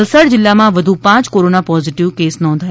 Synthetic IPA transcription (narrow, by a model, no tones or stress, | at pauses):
lsəɽd͡ʒɪlːamãʋɐd̪ʱupãːt͡ʃkoɾoːnapɔːziʈiʋkeːsnɔ̃ːnd̪ʱaːj